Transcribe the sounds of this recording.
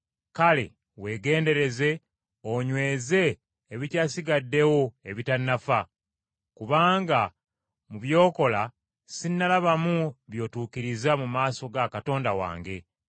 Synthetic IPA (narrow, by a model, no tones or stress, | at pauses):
kale̞̰ | we̞ːɡe̞ːnde̞ɾe̞ze̞ | oɲwe̞ːze̞ː | βicaːsiɡadːe̞wo̞e̞βitanːafa | kuβaːŋɡa | muβjo̞ːko̞la | sinːalaβamuβjo̞ːtuːkiɾizamumaːso̞ɡakato̞ːndawa̰ːŋɡe̞